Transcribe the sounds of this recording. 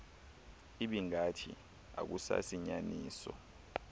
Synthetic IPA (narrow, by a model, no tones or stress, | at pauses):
iɓiŋatʰi | a̰k̬usa̰siɲaniːsɔ